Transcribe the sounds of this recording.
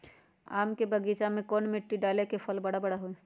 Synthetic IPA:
a̰ːmkebəɡiːt͡ʃamẽkɔːnmɪʈːiɖaːlekepʰəlbɐɽabɐɽaɦoe

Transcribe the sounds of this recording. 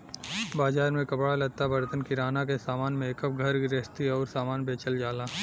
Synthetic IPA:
baːd͡ʒaːɾmẽkɐpɽalɐt̪abɐɾt̪ənkiɾaːnakesaːmaːnmẽːkəp̚ɡʱɐɾɾest̪iɔːɾsaːmaːnbeːt͡ʃəld͡ʒaːlaː

